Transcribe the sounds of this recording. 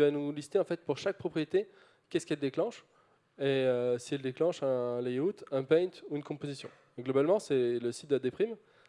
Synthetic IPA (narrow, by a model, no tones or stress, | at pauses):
vanulist̪eɑ̃fɛt̪̚puʁʃak̚pχɔpχijet̪e | kʲɛskʲɛld̪eklɑ̃ʃ | eøsiɛld̪eklɑ̃ʃɛ̃lɛut̪ɛ̃pɛ̃t̪uynkɔ̃pozisjɔ̃ | ɡlɔbalmɑ̃sɛləsi̥t̪̚d̪əd̪epχim